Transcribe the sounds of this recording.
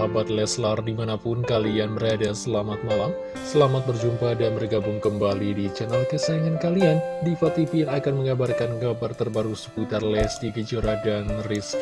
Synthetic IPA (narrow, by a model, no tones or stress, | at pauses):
abat̪̚lɛslardimanapʊnkalianbəɾadasəlamat̪̚malam | səlamat̪̚bərd͡ʒumpadanbərɡabʊŋkəmbalidit͡ʃɛnalkəsajaŋankaliandifat̪ifijaŋakanməŋabarkanɡabart̪ərbaɾusə̥put̪arlɛsdiɡid͡ʒoɾadanrɪs